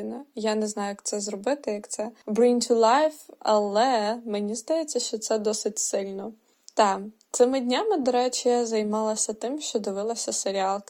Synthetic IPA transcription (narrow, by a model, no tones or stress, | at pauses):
nɐjanɛznɑjʊjɐkt̪sɛzrɔbɪt̪ɪjɐkt̪sɛbɾinʲt̪ʲʊlˠɑjfɐlˠɛmenʲizd̪ɐjet͡sʲːɐʃt͡ʃɔt̪sɛd̪ɔsɪtʲsɪlʲnɔ | t̪ɑt̪sɪmɪdʲnʲamɪd̪ɔɾɛt͡ʃijazɐjmɑlˠɐsʲɐt̪ɪmʃt͡ʃɔd̪ɪʋɪlˠɐsʲɐseɾʲiɑlˠk